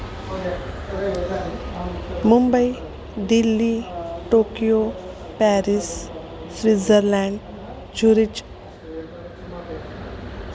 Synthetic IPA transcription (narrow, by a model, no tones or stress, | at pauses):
mumbəi | ɖilːiʈokijo | pæɾis | sɾid͡zəɾlɛɳɖ | d͡ʑuɾit͡ʃ